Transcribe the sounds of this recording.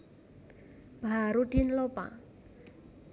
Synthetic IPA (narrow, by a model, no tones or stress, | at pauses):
b̥aaɾuɖ̥inlopa̰